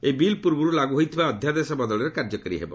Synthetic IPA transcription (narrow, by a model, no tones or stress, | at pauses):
ebilpuɾbuɾulaɡuɦojt̪ʰibaɔd̪ʱjad̪esɔbɔd̪ɔɭɔɾekaɾd͡ʒɔkɔɾiɦebɔ